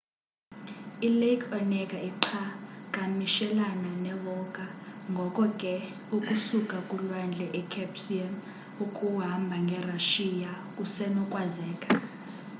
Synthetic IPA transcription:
ilekʰɔnɛkʼaiǁʰakʼamiʃɛlananɛlɔkʼaŋɡʱɔkʼɔkʼɛ | ukʼusukʼakʼulwand͡ɮʱɛʔɛkʰɛpsian | ukʼuɦambʱaŋɡʱɛraʃija | kʼusɛnɔkʼwazɛːkʼḁ

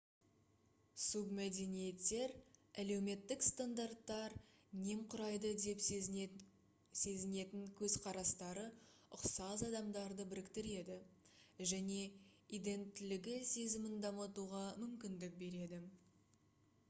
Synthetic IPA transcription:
submæd̪e̞nije̞t̪ːe̞ɾæle̞wme̞t̪ːɪkst̪and̪art̪ːɑɾne̞mqʰʊɾɑjd̪əd̪e̞p | se̞zɪne̞t̪ɪŋkʲʰɵzqʰɑɾɑst̪ɑɾəʊqsɑzɑd̪ɑmd̪ɑɾd̪əbɪɾɪkt̪ɪɾe̞d̪ɪ | ʒæne̞id̪e̞nt̪ːɪlɪɡʲɪse̞zɪmɪnd̪ɑmət̪uʁɑmʏmkʲɪnd̪ɪk̚be̞ɾe̞d̪ɪ

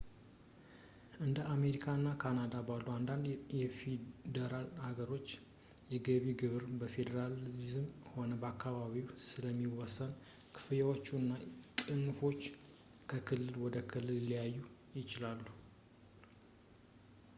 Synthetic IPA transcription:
ʔɨnd̪əame̞ɾikʰaɨnːakʰanad̪abalːuand̪and̪jɛfed̪əɾalhaɡəɾo̞t͡ʃː | jɛɡəβiɡɨβɨɾbəfe̞d̪əɾalizmho̞nəbəakʰːaβaβiwsɨləmːiwɔsən | kʰɨ̥fɨjawot͡ʃːunːakʼɨnːufo̞t͡ʃː | kʰəkʰɨlːɨlwɔd̪əkʰɨlːɨllijajːujɪt͡ʃɪlalːu

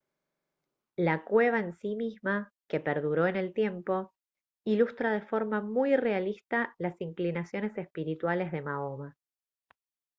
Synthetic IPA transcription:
lakwe̞β̞aensimizma | ke̞peɾðuɾo̞e̞ne̞lt̪je̞mpo̞ | ilust̪ɾað̞e̞fo̞ɾmamujre̞alist̪alasiŋklinasjo̞ne̞sespiɾit̪wale̞zðe̞maoma

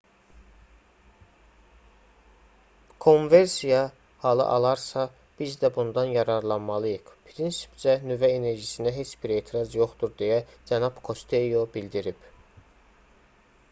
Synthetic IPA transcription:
kʰo̞nve̞ɾsijɑ | hɑlˠɯ̰ʔɑ̰lˠɑɾsɑ | b̥izd̪æbund̪ɑnjɑɾɑɾlˠɑnmɑlˠɯjɯχpʰɾinsi̥pd͡ʒænyvæene̞ɾʒisind̪æɦe̞t͡ʃbiɾe̞ːt̪ʰiɾɑzjo̞χt̪uɾd̪ejæd͡ʒænɑb̥kʰo̞st̪ʰe̞jobild̪iɾib

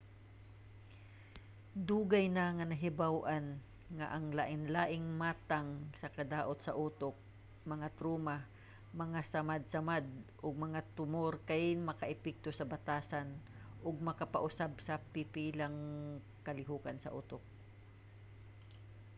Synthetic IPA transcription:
d̪uːɡajnaŋɐnɐɦɪbawʔan | ŋa̰ʔaŋlaːʔɪnlaːʔɪŋmaːt̪aŋsɐkɐd̪aːʔʊt̪̚sɐʔuːt̪ok̚ | mɐŋat̪ɾuːma | mɐŋasamad̪̚samad̪̚ʔʊɡ̚mɐŋat̪ʊmoɾkajmɐkaʔɪpɛk̚t̪osɐbat̪aːsan | ʔʊɡ̚mɐkapaʔʊsabsɐpɪpiːlaŋ | kɐlɪɦuːkansɐ̰ʔuːt̪ok̚

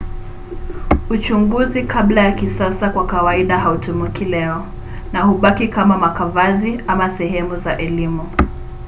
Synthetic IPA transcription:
ut͡ʃuŋɡuzikʰaɓlajakisasakwakawaiɗaɦautumukʰilɛɔ | nahuɓakikamamakavaziʔamasɛɦɛmuzaʔɛlimu

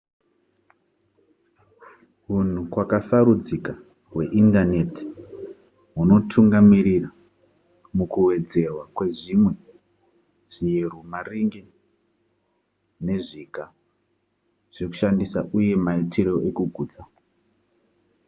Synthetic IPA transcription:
ɦun̤ukwakasaɾud͡zika | we̞ʔindane̞ti̥ | ɦuno̞tʰuŋɡamiɾira | mukuwe̞d͡ze̞rwakwe̞ʐimwe̞ | ʐ̥ijerumariŋɡe | ne̞ʐiːka | ʐ̥eku̥ʃandisaʔuje̞maitʰiɾo̞ʔe̞kuɡʱuːd͡za

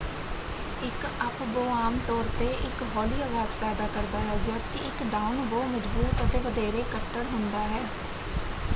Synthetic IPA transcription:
ɪkəpboːaːmt̪ɔːɾt̪eːʔɪkɦɔːliːəɡaːt͡ʃpɛːd̪aːkəɾd̪aːɦɛːd͡ʒət̪kɪɪkɖaːʊnʋoːməd͡ʒbuːt̪ət̪eːʋəd̪eːɾeːkəʈːəɽɦʊnd̪aːɦɛː

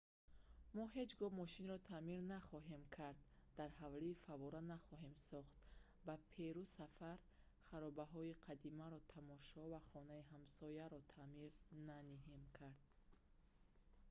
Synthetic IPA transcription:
mɔɦe̞d͡ʒɡɔmɔʃinɾɔt̪ʰamiɾnaχɔɦe̞mkʰaɾd̪̚ː | aɾhavliːfavɔɾanaχɔɦe̞msɔχt̪ | bapʰeɾusafaɾ | χaɾɔbaɦɔiqʰad̪imaɾɔt̪ʰamɔʃɔvaχɔnaiɦamsɔjaɾɔt̪ʰamiɾnaniɦemkʰaɾd̪̥̚

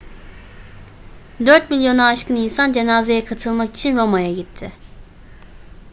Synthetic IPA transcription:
d̪øɾt̪milʲjo̞naːʃkɯninsand͡ʒe̞naːze̞jɛkʰat̪ʰɯlˠmakit͡ʃʰinɾo̞majaɟit̪ʰːɪ

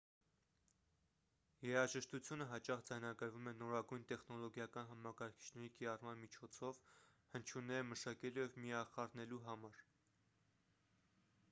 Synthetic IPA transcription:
jɛɾɑʒəʃt̪ut͡sʰjunəɦɑt͡ʃɑχd͡zɑjnɑɡəɾvumɛnɔɾɑɡujnt̪ɛχnɔlɔɡjɑkɑnɦɑmɑkɑɾkʰi̥t͡ʃʰnɛɾikiɾɑrmɑnmit͡ʃʰɔt͡sʰɔv | hənt͡ʃʰunɛməʃɑkɛlujɛvmijɑχɑrnɛluɦɑmɑɾ

